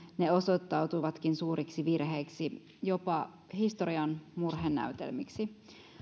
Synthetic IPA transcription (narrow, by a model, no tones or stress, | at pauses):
ne̞o̞sot̪ːɑwt̪uʋɑt̪kinsuːɾʔiksiʋirɦeːksi | jo̞pɑ | hist̪oɾiɑnmurɦenːæ̰yt̪ḛlmiksi